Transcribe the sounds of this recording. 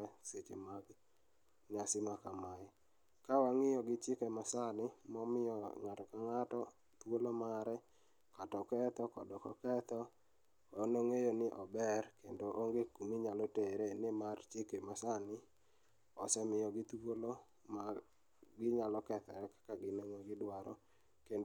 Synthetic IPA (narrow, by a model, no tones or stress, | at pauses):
ɛset͡ʃemaɡ | ɲasɪmakama | kawaŋɪjɔɡɪt͡ʃɪkɛmasanɪmɔmɪjɔŋatɔkaŋatɔ | t̪wolomaɾɛ | katɔkɛt̪ɔkɔdɔkɔ̰kɛt̪ɔ | onoŋejonɪʔɔbɛrkendoʔoŋɡekumiɲalɔteɾenɪmart͡ʃɪkemasanɪ | ɔsɛmɪjɔɡɪt̪wolo | ma | ɡɪɲalɔkɛt̪ɔ̰ɾɛkḁkaɡɪneŋɔɡɪdwaɾɔ̰ | ken